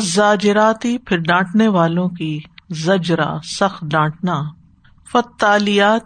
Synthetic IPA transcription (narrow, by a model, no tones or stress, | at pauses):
zaːd͡ʒɪɾaːt̪ipʰɪɾɖãːʈneʋaːlõkizɐd͡ʒɾa̰sɐxt̪ɖãːʈna | fɐt̪ːaːlɪjaːt̪